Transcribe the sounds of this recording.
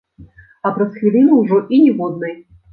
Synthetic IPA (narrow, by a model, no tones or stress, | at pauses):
apɾɐsxʲvʲilʲinʲɨwʐɔʔinʲivod̪̚nɨj